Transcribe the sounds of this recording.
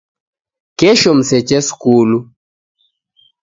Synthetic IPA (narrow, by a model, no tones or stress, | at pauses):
keʃom̩sɛt͡ʃɛskulu